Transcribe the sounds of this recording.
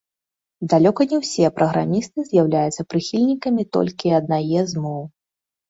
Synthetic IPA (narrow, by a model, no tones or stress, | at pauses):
d̪alʲɔkɐnʲɛwsʲɛpɾʔɐɣɾamʲist̪ɨzʲjawlʲajut̪sɐpɾɨxʲilʲnʲikɐmʲit̪ɔ̰lʲkʲiɐd̪̚najɛzmɔw